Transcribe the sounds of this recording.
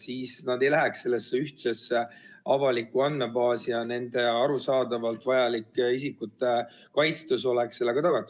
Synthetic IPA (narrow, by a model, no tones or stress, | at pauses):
siːsnɑd̪̥e̞jlæɦɛksse̞lːesːeyht̪sesːeɑvɑlikːuɑnmebɑːsiɑne̞nd̪̥e̞ɑɾusɑːd̪ɑvɑlt̪vɑjɑlikːisikːˑut̪ːˑe | kɑjt̪st̪us̬o̞lekse̞lːeɡ̥ɑt̪ɑɡ̥ɑt̪ːˑu̥